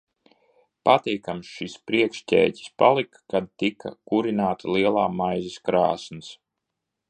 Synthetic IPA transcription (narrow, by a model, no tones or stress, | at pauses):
pat̪iːkamsʃispɾiɛkʃtʲɛ̰ːtʲi̥spalˠikːad̪̚t̪ika̰kuɾinaːt̪alˠiɛlˠaːmajziskɾa̰ːsnɨs